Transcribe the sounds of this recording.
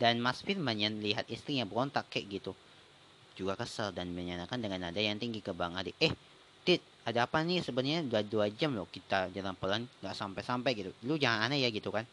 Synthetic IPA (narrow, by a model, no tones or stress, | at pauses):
danmasfɪrmaɲənliɦat̪̚ist̪ɾiɲabəɔnt̪akɛʔɡit̪u | d͡ʒuɡakəsaldanməɲanakandəŋanadajaŋt̪iŋɡikəbaŋadiʔəh | t̪it̪̚ | adaːpanisəbənəɲaudaduad͡ʒamlʊhkit̪ad͡ʒaɾaŋpəlanɡaʔsampajsampajɡit̪ulud͡ʒaŋananajaɡit̪ukan